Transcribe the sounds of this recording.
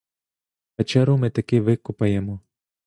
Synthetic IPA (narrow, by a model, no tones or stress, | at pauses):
pɛt͡ʃɛɾʊmɪt̪ɐkɪʋɪkʊpɐjɛmɔ